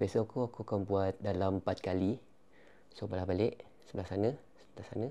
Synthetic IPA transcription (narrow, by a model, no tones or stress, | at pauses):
biasokuakuakambuat̪̚dalampat̪̚kali | sobalahbalɪʔ | səbəlasanã | sətlasanã